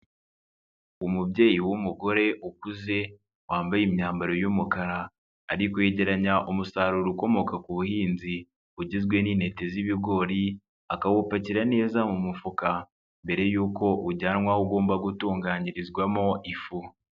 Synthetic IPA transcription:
umubɟe̞ːjiwumuɡo̞ɾe̞ʔukuze̞ | waːmbajimɲaːmbaɾo̞jumukaɾaː | ɾikojeɟe̞ɾaɲaʔumusaɾuɾuko̞mo̞kakuβuhiːnzi | uɟizɡwe̞niːnhe̞te̞ziβiɡo̞ːɾi | akawupaciɾane̞ːzamumufuka | mbe̞ɾe̞juːko̞ʔuɟaːnŋwahuɡo̞ːmbaɡutuːŋɡaːɲiɾizɡwamo̞ʔifu

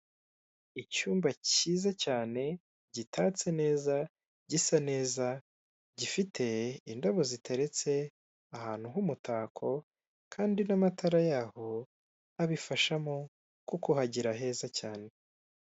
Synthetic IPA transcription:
icuːmbaciːzacaːne̞ | ɟitʰaːt͡se̞ne̞ːza | ɟisane̞ːza | ɟifitʰe̞indaβo̞zitʰe̞ɾe̞t͡se̞ | ahaːn̥uɦumutaːkʰo̞ | kʰaːndinamatʰaɾajaːho̞ | aβifaʃamo̞ | kukuhaɟiɾaɦe̞ːzacaːne̞

